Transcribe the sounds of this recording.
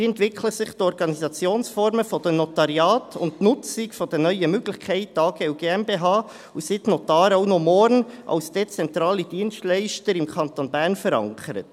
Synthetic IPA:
ɛntʋɪkʰləsɪχtɔɾɡɑnizɑt͡sjoːnsfɔɾməfɔd̥ənɔtɑɾjɑːtʰʊ̰ntnʊt͡sɪkfɔd̥ənœʏəmøɡ̥lɪçkʰæɪt̚dɑːɡ̥eːuɡeːɛmbeɦɑː | usɪtnot̪ɑːɾoʊnomɔɾnʔɑ̰wsd̥et͡sɛnt̪ɾɑːlid̥iənstlæɪʃtəɾɪmkʰɑntonbæːɾnfəɾɑ̰ŋkʰəɾə̰t

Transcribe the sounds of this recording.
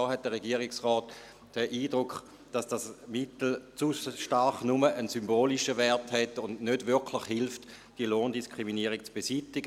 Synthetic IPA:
ɔːɦɛt̚d̥əʁeɡiːəʁɪksʁɔːt | d̥əʔiːdʁʊkχ | d̥ɑsd̥asmɪtl̩t͡suʃtaɾχnuməʔənsymboːliʃəvɛɐthɛtʊndnødvʏɐkʰlɪχhɪlft | d̥iəloːndiskʁ̥iminiːəʁik̚t͡sb̥esitɪɡə

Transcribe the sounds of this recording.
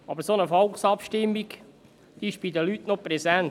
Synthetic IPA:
ɑ̰bəɾsonəfɔlksɑpʃtɪmːiɡ | d̥̪iɪʃb̥idəlyːtnoprɾɛzɛn

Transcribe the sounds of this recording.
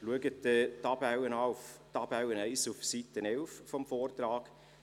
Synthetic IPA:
luəɡətd̥ətɑbawənɑʊftɑbawənɛɪsufsitənɛlffɔmfoːrt̪rɑːɡ̥

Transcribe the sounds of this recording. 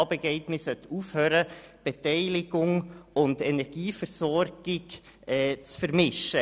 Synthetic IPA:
bɛɡɛɪtnɪsœtʰuːfhøːɾəb̥ɛtɛɪlɪɡʊŋʊndɛnɛɾɡ̥iːfəɾsɔɾɡ̥ɪɡ | ɛːt͡sfəɾmɪʃə

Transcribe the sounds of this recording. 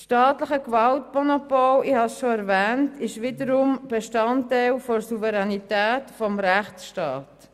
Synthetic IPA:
ʃtɑːtləχəkvɑltmɔnopɔlihɑsʃoæɾvɛːntɪʃʋɪdəɾumb̥eʃtɑntæɪlfɔsuvɛɾɛnitæːtfɔmɾæχt͡sʃtɑːt

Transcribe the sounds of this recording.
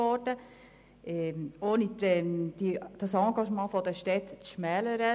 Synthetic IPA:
ɔɾd̥ə | ʔɛoːniɛd̥id̥ɑsɑ̃ːɡɑʃmɑ̃ːfɔd̥̪əʃtɛt̪t͡sʃmɛːləɾə

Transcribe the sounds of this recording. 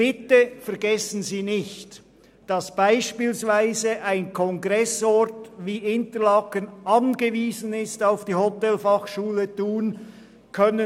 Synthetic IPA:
b̥ɪtəfɛɐʁɡɛsn̩ziːnɪçt | d̥ɑsb̥aɪʃpiːlsvaɪzəʔaɪnkʰɔŋɡʁɛsɔtviːʔɪntəlɑkənʔɑnɡəviːzən̩ɪstaʊfd̥iːhɔtɛlfɑχʃuːlətuːn | kʰœnə

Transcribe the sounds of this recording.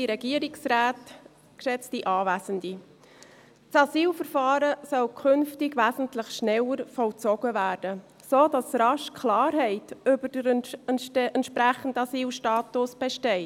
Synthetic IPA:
iɾɛɡiəɾɪksraːt | kʃɛt͡stiʔɑːvæːsəndi | t͡sɑsiːlfəɾfɑːɾəsœlkʰʏnftɪɡʋæːsən̩tlɪχʃnɛləɾfɔlt͡sɔɡ̥əvæːɾd̥ə | soːdɑsɾɑʃkʰlɑːɾɦɛɪtʏbəɾd̥əɾɛntʔɛntʃpɾæχən̩dɑsiːlʃtɑːtʊsb̥ɛʃtɛɪ

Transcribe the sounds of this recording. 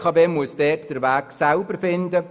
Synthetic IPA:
kʰɑːbeːmuəsd̥ɛːtd̥əɾʋæːksælbəɾfɪndə

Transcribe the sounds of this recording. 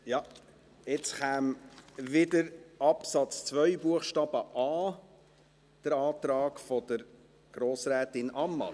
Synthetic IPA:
jɑ | ɛt͡sχæːmʋɪdəɾɑpsɑt͡st͡sʋœʏbuəχʃtɑːb̥əʔɑː | d̥əɾɑːt̪ɾɑːɡfɔd̥̪əɾ | ɡ̥ɾoːsɾɛːtɪnʔɑmːɑ̰

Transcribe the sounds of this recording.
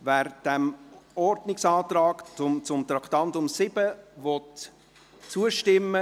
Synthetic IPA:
væɾd̥ɛmɔrdnɪksɑːt̪rɑːkʊmt͡sʊmt̪ɾɑkʰt̪ɑnt̪ʊmsɪb̥əvɔt | t͡suəʃtɪmːə

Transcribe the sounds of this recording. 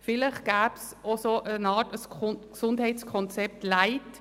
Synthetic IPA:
fɪləχɡ̥æːpsosoʔənɑːtəskksʊndhɛɪt͡skʰɔnt͡sɛp̚tlaɪt

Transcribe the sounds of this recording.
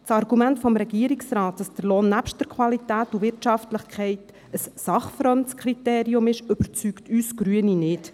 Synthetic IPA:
t͡sɑrɡumæntfɔmɾɛɡiəɾiksɾɑːt̚d̥ɑsd̥əɾloːnːæpʃtəɾkʰʋɑlitæːtuʋɪrtʃɑftləχkʰχɛɪt | əsːɑχfɾɔntt͡skχɾiteːɾiʊmɪʃʏb̥əɾt͡syktʰyːsɡ̥ɾyəninɪt

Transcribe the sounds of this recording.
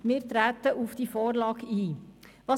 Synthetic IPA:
miːɾt̪ɾæːt̪əʔufd̥ifoːɾlɑːɡiːʋɑ

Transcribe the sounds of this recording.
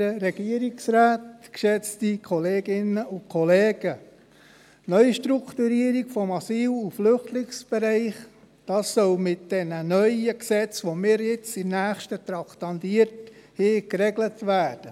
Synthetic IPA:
əɾɛɡ̥iəɾiksɾæːtkʃɛt͡stikʰɔleːɡɪnəʊkʰɔleːɡ̥ə | nœʏʃtɾukʰtuɾiːəɾiɡ̥fɔmɑsiːluflʏχtlɪksb̥eɾɛɪχ | d̥ɑːsːœlmɪt̚d̥ɛnənœʏəksɛt͡sʋomɪːɾjɪt͡sɪmnæːχʃtət̪ɾɑktɑndiəɾthɪːkɾɛɡlətvæːd̥ə

